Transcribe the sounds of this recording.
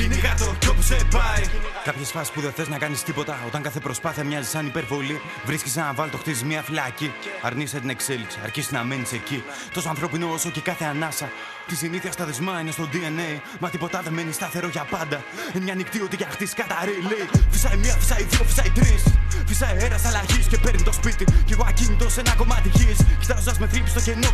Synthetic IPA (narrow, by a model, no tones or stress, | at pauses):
inekɐt̪ocopsepɐikɐpçesfɐsi̥spuðenθe̞znɐkɐnist̪ipo̞t̪ɐo̞t̪ɐŋkɐθe̞pɾo̞spɐθiɐmɲɐzisɐnipe̞ɾvo̞li | vɾiskes̬nɐvɐlt̪o̞xt̪izizmiɐfilɐciɐ̰ɾniset̪ine̞kse̞lipsiɐ̰ɾçisiznɐme̞nise̞ci | t̪o̞soɐnθɾo̞pinooso̞ce̞kɐθe̞anɐsɐ | t̪isiniθiɐst̪ɐðezmɐinest̪o̞d̪ienej | mɐt̪ipo̞t̪ɐðe̞me̞nist̪ɐθe̞ɾo̞ʝɐpɐnd̪ɐ | emɲɐnikt̪io̞t̪iʝɐxt̪isi̥kɐt̪aɾeile̞ifisɐimɲiɐfi̥sɐiðio̞fi̥sɐit̪ɾisfisɐieɾɐsɐlaçisce̞peɾnit̪o̞spit̪iceɣoacinit̪o̞se̞nɐko̞mɐt̪içisçi̥t̪ɐzod̪ɐzme̞fɾipist̪oce̞no